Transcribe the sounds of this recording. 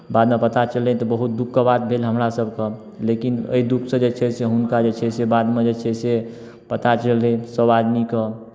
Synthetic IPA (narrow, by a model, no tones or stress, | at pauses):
bad̪mepət̪at͡ʃəlɛt̪ɔbəɦut̪̚d̪ukːəbat̪̚bʱelɦəmɾasəbkə | lekinə̰id̪ukʰsə̃d͡ʒet͡ʃʰɛseɦunkad͡ʒet͡ʃʰɛsebad̪med͡ʒet͡ʃʰɛse | pət̪at͡ʃəlɛsəbad̪mikə